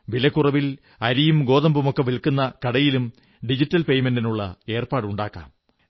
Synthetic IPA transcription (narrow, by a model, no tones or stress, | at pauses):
ʋilɐkːurɐʋil | ɐɾijumɡo̞ːðɐmbumokːeʋilkːunːɐkɐɽɐjilum | ɖid͡ʑitːɐlpe̞jmendinuɭːɐ̰e̞ːrpaːɽuɳɖaːkːa̰ːm